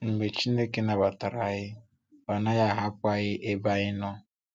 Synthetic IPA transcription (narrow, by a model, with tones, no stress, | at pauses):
ŋ͡m̩˨ɡ͡be˨t͡ʃi˦ne˦ke˦na˨ba˨ta˨ɾa˨ɣɪ˦ | ba˨na˦ja˦˨ɦa˦p̚ʊ˦a˦˨ɣɪ˦ʔe˦ba˦ɣɪ˦nɔ˦